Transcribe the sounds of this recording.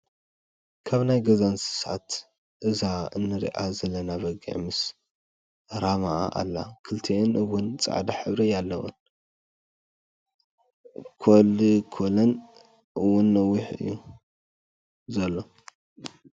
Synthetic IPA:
kʰaβnajɡɐzansɨ̥sat̪ | ʔɨzaɨnːɨɾḭʔa̰zɐlːɐnaβɐɡḭʕmɨs | ɾamaʔʔa̰lːa̰kʰɨlt̪ʰeɨnɨwːʊnt͡sʼa̰ʕd̪aħɨβɾijalːɐwṵn | kʰolikʰolɐn | ʔɨwʊnːɐwiħɨ̰jːu | zɐlːo̞

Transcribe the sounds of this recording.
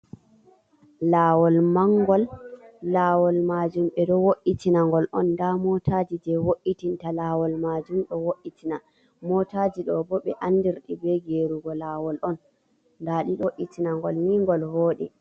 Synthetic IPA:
laːwɔlmaŋɡɔlː | awɔlmaːd͡ʒumɓɛɗɔwoʔitinaŋɡɔlʔɔndamɔtʰad͡ʒid͡ʒɛwoʔːitintalaːwɔlmaːd͡ʒumɗɔwoʔitʰina | mɔtaːd͡ʒiɗɔbɔɓɛʔanːdiɾɗibɛɡeɾuɡɔlaːwɔlʔɔn | daɗiɗɔʔitinaŋɡɔlniŋɡɔlhoːɗḭ

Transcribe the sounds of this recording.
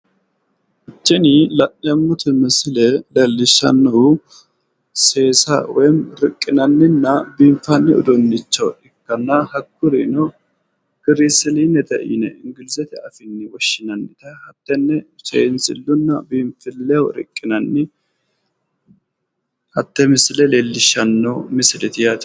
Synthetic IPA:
ɪt͡ʃːɛnilɐnɐmːʊt̪ɪmɛsɪlɛlɛlːɪʃːɐ̰nːɐʊ | seːsɐ̰wɔjnɾɪkʼːɪnɐnːɪnːɐbiːɱfɐnːɪɔ̰d̪ɔnːɪt͡ʃːɐɪkːɐnːɐhɐkːʊɾḭnɔ | ɡ̥ɪɾisɪlinːɛt̪ɐ̰ʔḭnɛɪŋɡɪlɪsɛt̪ɪɐfɪnːɪwɔʃːɪnɐnːɪt̪ɐhɐt̪ːɛnːɛt͡ʃɛ̰ɪnsɪlːʊnːɐbiːmfɪlːɛɔɾɪ̰kʼːɪnɐnːɪ | hɐt̪ːɛmɪsɪlɛleːlːɪʃːɐnːɔmɪsɪlɪt̪ɪjat̪

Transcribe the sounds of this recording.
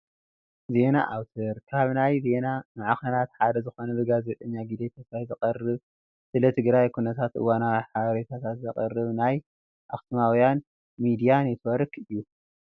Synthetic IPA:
ze̞naʔawt̪ʰɐɾkʰaβnajze̞nanɨʕaxɐnat̪ħad̪ɐzɨxo̞nɐlɨɡazet̪ʼɐɲːaɡid̪et̪ʰɐsɾajzɐqʼɐrːɨβ | sɨlɐt̪ʰɨɡɾajkʰunɐt̪ʰat̪ʔɨ̰wanawiħaβɐɾet̪ʰat̪ʰat̪zɐχʼɐrːɨβnaj | ʔa̰xsmawjan | mid̪ijanjɛt̪ʰwɐɾɨkɨjːu

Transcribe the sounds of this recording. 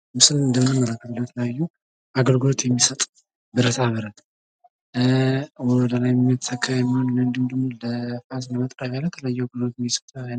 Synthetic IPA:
mɨsɨlɨnd̪əmːɨnəmːələkːət̪ʰlːəjt̪ʰələjajːu | aɡəlɡɨlo̞t̪jɛmːisət̪ʼ | bɨɾət̪ʰaməɾət̪ | wɔd̪alajmːət̪sʰəkʰːəjɛmːihonnənd̪ɨmd̪əmuləfas̬nəmət̪ʼɾəβjalːət̪ʰəlajːuaɡɨlot̪jmːisə̥t̪ʼəj

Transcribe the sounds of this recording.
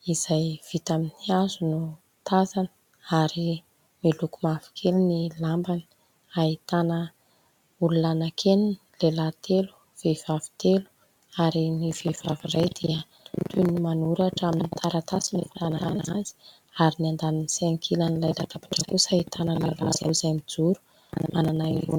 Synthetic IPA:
iz̥ajv̥it̪aminiazunu | t̪azanə̥ | aɾi | milukumafi̥kʰelinilambani̥ | ait̪anə | ululanakʰenin | lelat̪elu̥ | v̥evavi̥t̪elu̥ | aɾinivev̥avirajd̪̥iə | t̪ʰunimanuɾaʈ͡ʂaminit̪ʰaɾat̪asinefananaanaz̥i̥ | aɾiniand̪aninisɛŋkʰilanilajlaʈ͡ʂapḁʈ͡ʂəkusait̪ʰanəlala̰zazamid͡zuɾu̥ | mananaḭṵn

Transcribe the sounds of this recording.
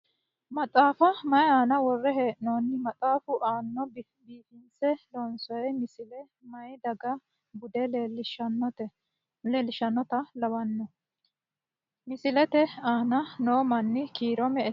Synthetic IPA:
mɐt͡sʼaːfɐmɐjaːnɐwɔrːɛɦeːʔnɔnːɪmɐt͡sʼaːfʊʔaːnːɔb | biːfɪnsɛlɔnsɔjɛmɪsɪlɛ | mɐjd̪ɐɡɐ | bʊd̪ɛʃɐnːɔt̪ɛ | leːlɪʃɐnːɔt̪ɐlɐwɐnːɔ | mɪsɪlɛt̪ɛaːnɐnoːmɐnːɪkiːɾɔmɛɛ

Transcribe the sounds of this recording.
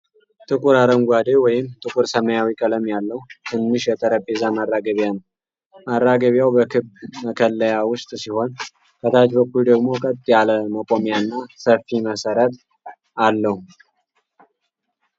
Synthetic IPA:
t̪ʼɨkʼuɾaɾəŋɡʷad̪ewɔjɪmt̪ʼɨkʼuɾsəməjawikʼələmjalːəht̪ʰɨnːɨʃjɛt̪ʼəɾəpʼːezamarːaɡəβjanəw | marːaɡəβjawbəkʰɨbməkʰəlːəjawʊst̪ʼsiho̞n | kʰət̪ʰat͡ʃbəkːuld̪əɡmo̞kʼət̪ʼːijaləməkʼomijanːasəfːiməsəɾət̪ʼ | alːəhu

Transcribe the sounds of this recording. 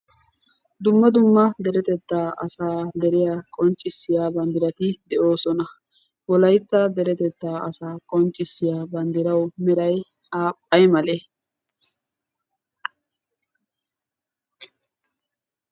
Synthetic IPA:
d̪ʊmːɐd̪ʊmːɐd̪ɛɾɛt̪ɛt̪ːaːʔɐsaːd̪ɛɾɪjaːkʼɔnt͡ʃʼːɪsːɪjaːbɐnd̪ɪɾɐt̪ɪd̪ɛʔo̞ːsɔnɐ | wɔlɐjt̪ːɐd̪ɛɾɛt̪ɛt̪ːaːɐsaːkʼɔnt͡ʃʼːɪsːɪjaːbɐnd̪ɪɾɐwmɛɾɐj | aːpʼːɐjmɐle

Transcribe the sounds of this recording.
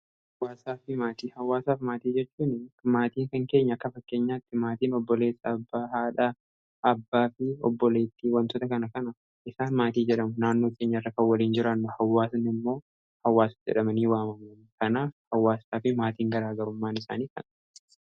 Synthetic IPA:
hɐwːaːsaːfɪmaːt̪iːhɐwːaːsaːfmaːt̪iːd͡ʒɛt͡ʃːuːnmaːt̪iːŋkɐŋke̞ːɲːɐɐkːɐfɐkːe̞ːɲːaːt̪ːɪmaːt̪iːnɔbːɔle̞ːsːɐːbːaːɦaːᶑa | ʔɐbːaːfɪɔ̰bːɔle̞ːt̪ːɪwɐnt̪ot̪ɐkɐnɐkɐnɐ | ɪsaːnmaːt̪iːd͡ʒɛᶑɐmʊnaːnːo̞ːkʰe̞ːɲːɐɪrːɐkɐwɐliːnd͡ʒɪɾɐnːʊhɐwːaːsnɪmːo̞ː | hɐwːaːsɐ̥d͡ʒɛ̰ᶑɐmɐniːwaːmɐmɐnkɐnaːfhɐwːaːsaːfɪmaːt̪iːŋɡɐɾaːɡɐɾʊmːaːnɪsa̰ːniːkɐnɐ

